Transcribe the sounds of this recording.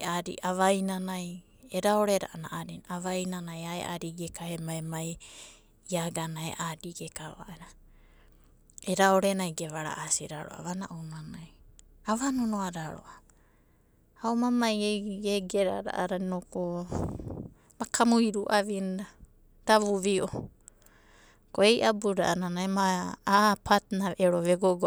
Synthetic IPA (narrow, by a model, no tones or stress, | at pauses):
aɾḭʔaβajnanaj | eɾaoɾeɾa̰ʔana̰ʔaɾinaβajnanajaḛʔa̰ɾiɡekahemaemaj | iaɡanaḛʔadiɡekaβa̰ʔeɾa | eɾaoɾenajɡeβaɾa̰ʔasiɾaɾoʔa̰βanaʔownanajaβanonoaɾaɾo̰ʔa | aomamajeɡeɡeɾa̰ɾa̰ʔaɾainoko | makamuiɾuʔaβinda | daβuβio | koejʔabuɾa̰ʔananajmaː | pʰatnaβʔeɾoβeɡoɡo